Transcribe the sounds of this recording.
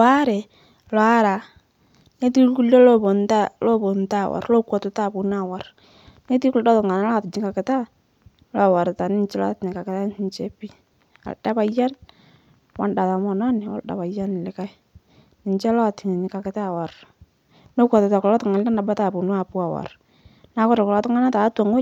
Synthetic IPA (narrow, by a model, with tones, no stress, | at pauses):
a˦ɾɛ˨ | lɔ˨a˦ɾa˨ | ne˦t̬i˦lku˦lːo˦lo˦bo˨nta˦lo˦bo˨nta˦˨wa̰˨ɾlo˦kwɔ˨tʊ˨ta˦˨pu˨n˦a˦˨wa˨ɾ | ne˦t̬i˦kldɔ˦tʊ˨ŋa˨n˦la˦˨tɪ˨ɲɪ˦ka˨kɪ˨˦ta˦ | la˦˨wa˨ɾta˨nɪ˦nt͡ʃɛ˦la̰˦tɪ˨ɲɪ˨ka˨kɪ˦ta˦i˦nt͡ʃe˦pi˦ | a̰˨lda˦pa˨ja˦n | wa˨nda˨ta˨mɔ˨nɔ˦nɪ˨wa̰˦lda̰˨pa˨ja˦n˨lɪ˦ka˦j | nɪ˨ɲt͡ʃɛ˦lɔ˦˨tɪ˨ŋ˨nɪ˨ka˨kɪ˦ta˦˨wa˨r | no˦kʷɔ˨tʊ˨ta˨kʊ˨lɔ˦tʊ˨ŋa˨lda˦na˨ba˦ta˨pu˨n˦a˨pu˦a˨wa̰˨r | na˨˦kɔ˦ɾa˨kʊ˨lɔ˨˦tʊ˦ŋa˦na˦ta˨˦ta˨ŋo˦